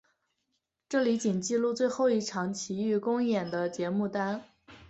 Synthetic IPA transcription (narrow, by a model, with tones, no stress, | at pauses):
ʈ͡ʂɤ˥˩li˧˥t͡ɕi˨˩nt͡ɕi˥˧lu˥˧t͡swe˥˧ɪxo˥˧ʊi˥˩ʈ͡ʂʰɑ˧˥ŋt͡ɕʰi˧˥y˥˩kʊ˥ŋjɛ˨˩nd̪ə˦t͡ɕjɛ˧˥mu˥˩t̪a˥n